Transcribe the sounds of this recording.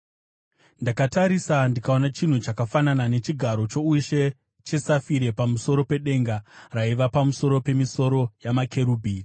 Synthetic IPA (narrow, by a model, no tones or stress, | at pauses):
ndakataɾisandikao̞nat͡ʃin̤ut͡ʃakafananane̞t͡ʃiɡʱaɾo̞t͡ʃo̞uʃe̞ | t͡ʃe̞safiɾe̞pamuso̞ɾo̞pe̞ɗe̞ŋɡaraiʋapamuso̞ɾo̞pe̞miso̞ɾo̞jamakʰe̞ɾuːbʱi